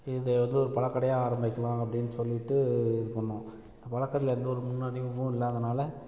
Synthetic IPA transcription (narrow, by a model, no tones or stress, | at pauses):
ɪðɛʋɐnd̪ɯɔɾɯpɐɭɐkːɐɽɐjaːaːɾɐmbɪkːɐlãːŋɐpːɐɽɪnːɯsɔlːɪʈːɯɪɾɯkːɐɳːʊ̃ɪnd̪ɐpɐɻɐkːɐɾɪlɛnd̪ɐɔɾɯmʊnːaːɽɪjʊ̃ʋʊ̃ɪlːɐːðɐnaːlɐ